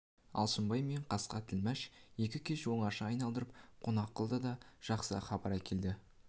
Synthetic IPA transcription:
ɑ̰lˠsəmbɑjme̞ɴqʰɑsqɑt̪ʰɪlmæʃje̞kʲɪkʲʰe̞ʃwo̞ɴɑɾʃɑɑjnɑlˠd̪əɾəp̚qʰo̞nɑqːəlˠd̪əd̪ɑʒ̥ɑqsə̰χɑbɑɾækʲe̞ld̪ɪ

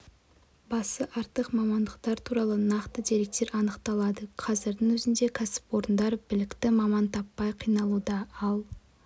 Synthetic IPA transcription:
bɑsəʔɑɾt̪əqmɑmɑnd̪əqt̪ɑɾt̪ʰuɾɑlˠənɑqt̪əd̪e̞ɾe̞k̚t̪e̞ɾɑnəqt̪ɑlˠɑd̪əqʰɑzɪɾd̪ɪŋwɵzɪnd̪e̞kʲʰasɪ̥po̞ɾənd̪ɑɾbɪlɪkt̪ɪmɑmɑnt̪ʰɑpːɑjqʰijnɑlˠud̪ɑɑlˠ

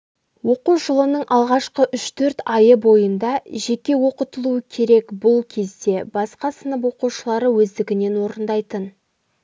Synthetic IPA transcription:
wo̞quʒəlˠənəɴʔɑlˠʁɑʃqəʔʏʃt̪ʰɵɾt̪ɑjəbo̞jənd̪ɑʒe̞kʲe̞wo̞qət̪əlˠuəkʲʰe̞ɾe̞kbʊlˠkʲʰe̞zd̪e̞bɑsqɑsənəp̬wo̞quʃəlˠɑɾəwɵzd̪ɪɡʲɪne̞nwo̞ɾənd̪ɑjt̪ən

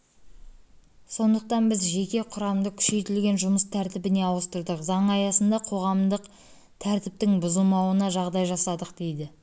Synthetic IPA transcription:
so̞nd̪əq̚t̪ɑnbɪzʒe̞kʲe̞qʰʊɾɑmd̪əkʲʰʏ̥ʃe̞jt̪ɪlɡʲe̞nʒʊməst̪ʰæɾt̪ɪbɪne̞ɑwəst̪əɾd̪əqzɑɴɑjɑsənd̪ɑqʰo̞ʁɑmd̪əq | t̪ʰæɾt̪ɪp̚t̪ɪŋbʊzəlˠmɑwənɑʒɑʁd̪ɑjʒɑsɑd̪əqd̪e̞jd̪ɪ

